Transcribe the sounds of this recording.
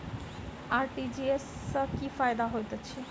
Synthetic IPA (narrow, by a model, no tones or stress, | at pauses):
aːɾʈid͡ʒiesːəkifaːjd̪aɦojt̪ɔt͡ʃʰi